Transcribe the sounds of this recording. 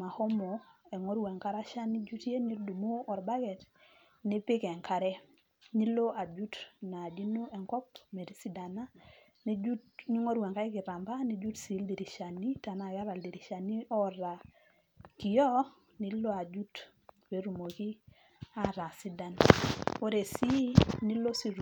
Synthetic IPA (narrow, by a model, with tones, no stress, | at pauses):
ma˨ho˦mɔ˨ɛ˨ŋo˦ɾwɛ˨ŋka˦ɾa˦ʃa˦ni˦d͡ʒu˦tje˦ni˦du˨mu˦ɔ˨ɾba˦ɡɛ˨t | nɪ˦pɪ˦kɛ˨ŋka˨ɾɛ˦ | ni˦lo˦a˨d͡ʒu˦tna˨d͡ʒi˦no˦ʔɛ˨ŋkɔ˦pme˨di˦si˦da˨na˦ | ni˦d͡ʒu˦tɲu˦ŋo˦ɾwɛ˨ŋka˦ɪ˦kɪ˨ɾa˨mba˦ni˦d͡ʒu˦tsi˨˦ldi˨ɾi˨ʃa˨ni˦ta˨na˨ka˦ɾa˨ldi˨ɾi˨ʃa˨ni˦ɔ˦ɾa˨ | ki˨jɔ˦ | ni˦lo˦a˨d͡ʒu˦t | we˨˦ɾu˨mo˨ki˦ | a˦ɾa˨si˦da˨no˦ɾe˨si˦ni˦lo˦si˦ɾ